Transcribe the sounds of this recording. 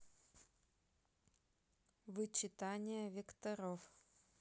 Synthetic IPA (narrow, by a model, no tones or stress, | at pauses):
vɨt͡ɕɪt̪anʲɪjəvʲɪkt̪ɐɾof